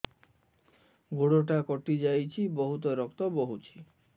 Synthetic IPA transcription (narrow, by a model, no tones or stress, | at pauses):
ɡoɽoʈakɔʈid͡ʒajt͡ʃʰibɔɦut̪̬ɔɾɔkt̪ɔboɦut͡ʃʰi̥